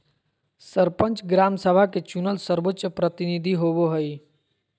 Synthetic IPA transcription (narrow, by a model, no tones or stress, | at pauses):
səɾpə̃nt͡ʃɡɾaːmsəbʱaket͡ʃunəlsəɾbətːʃəpɾət̪inid̪ʱiɦoboɦəi